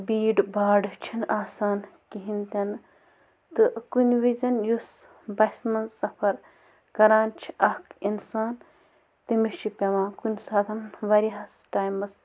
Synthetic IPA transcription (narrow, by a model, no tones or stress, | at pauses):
biːɖbaːɖɨt͡ʃʰinaːsaːnkiɦint̪ɐn | t̪ɨkunʲʋizɐnjus | bɐsmɐnzsɐpʰɐɾ | kɐɾaːnt͡ʃʰiʔɐhkinsaːn | t̪imit͡ʃʰipʲɐʋãːkunʲsaːt̪ʰɐnʋɐɾiɦɐsʈaːjmɐs